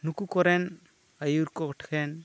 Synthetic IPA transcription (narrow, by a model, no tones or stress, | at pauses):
nukukɔɾɛn | ajuɾkɔkʈʰkʰɛn